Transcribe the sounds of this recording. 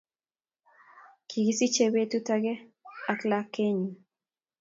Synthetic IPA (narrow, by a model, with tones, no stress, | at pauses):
kʰi˨ɡi˦si˦t͡ʃe˦be˦tu˦ta˦ɡe˦a˨kla˦ke˦ɲu˨